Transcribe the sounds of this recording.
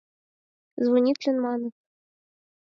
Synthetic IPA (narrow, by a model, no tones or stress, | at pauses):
zvunʲit̪ʲlʲɘ̆nmɑnɤ̆